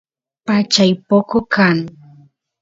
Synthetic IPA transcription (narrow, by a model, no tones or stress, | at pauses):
pat͡ʃajpokokʰaŋ